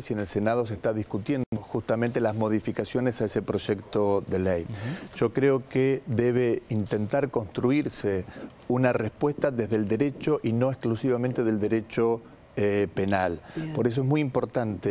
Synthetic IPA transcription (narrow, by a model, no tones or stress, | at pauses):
sienelse̞nað̞o̞s̬ehst̪aðihkut̪je̞nd̪d̪oxust̪ament̪elazmo̞ð̞ifikasjo̞nesaesepɾo̞ʒekt̪o̞ðelejʒ̥o̞kɾeo̞keðeβ̞eint̪e̞nt̪aɾko̞nst̪ɾuiɾse | unarespwest̪aðezðeld̪eɾet͡ʃoʔino̞ehklusiβ̞amẽnt̪eðe̞ld̪eɾet͡ʃo | penalpo̞ɾes̬oeɦmujimpo̞ɾt̪ant̪e